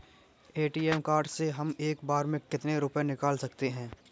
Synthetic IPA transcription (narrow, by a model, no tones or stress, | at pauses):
eːʈiːɛːmkaːɾɖseɦɐmeːkbaːɾmẽkɪt̪neɾʊpenɪkaːlsɐkt̪eɦɛ̃ː